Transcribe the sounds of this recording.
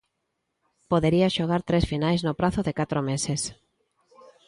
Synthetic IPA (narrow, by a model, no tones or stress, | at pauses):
poðeɾiaʃoɣ̞aɾt̪ɾesfinajznopɾaθʊðɪkat̪ɾomeses